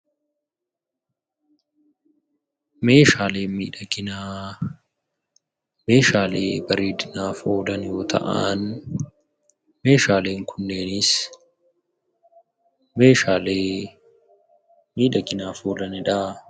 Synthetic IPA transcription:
meːʃaːle̞ːmiːᶑɐɡɪna | me̞ːʃaːlḛːbɐɾeːd̪ɪnaːfoːlɐnjoːt̪ʰɐ̰ʔan | me̞ːʃaːle̞ːŋkʰʊnːeːnɪs | meːʃaːleː | miːᶑɐɡɪnaːfoːlɐnɪᶑaː

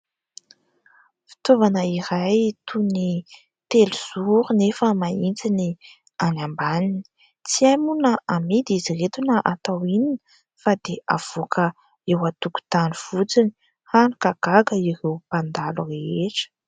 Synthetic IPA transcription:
fi̥t̪ovanəiɾajt̪ʰuni | t̪eluz̥uɾunefəmaint͡sini | anambanini̥ | t͡siamunəʔamid̪iziret̪unəʔat̪awininə | fad̪eʔav̥okʰə | ewat̪uku̥t̪aniv̥ut͡sini̥ | hanukaɡ̥aɡəirewpand̪alureeʈ͡ʂə̥

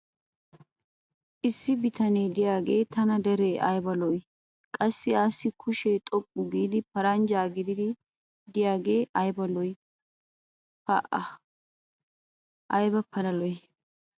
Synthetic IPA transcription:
ʔɪsːɪbɪt̪ɐneːd̪ɪjaːɡe̞ːt̪ɐnɐd̪ɛɾeːʔɐ̰jbɐlɔj | kʼɐsːɪaːsːɪkʰʊʃeːt̪ʼɔpʼːʊɡiːd̪ɪpɐɾɐnd͡ʒaːɡɪd̪ɪd̪ɪ | d̪ɪjaːɡe̞ːʔɐjbɐlɔj | pɐʔɐ | ʔɐjbɐpʰɐlɐlɔj

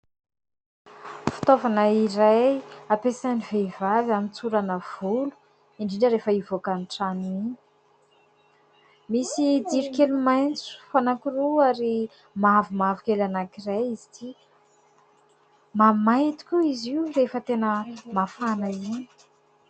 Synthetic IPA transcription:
fi̥t̪ovanəiɾajapesanivevavamint͡suɾanəv̥ulu̥ | iɳɖ͡ʐiɖ͡ʐəɾefəivokanʈ͡ʂaniɲi̥ | misid̪iɾikelumajnt͡su̥fanakiruaɾi | mavumavukʲelanakirajizit̪ʰi | mamajt̪u̥kʲuiziurefət̪enəmafanaini̥

